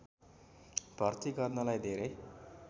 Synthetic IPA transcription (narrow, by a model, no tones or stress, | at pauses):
b̥ʱʌrt̪iɡʌrnʌlajd̪ʱeɾej